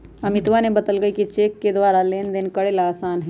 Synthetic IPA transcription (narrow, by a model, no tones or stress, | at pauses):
ɐmɪt̪ʋanẽbɐd̪əlɡəikit͡ʃeːkːed̪ʋaːɾaleːnd̪ɪnkɐɽelaːsaːnɦɛ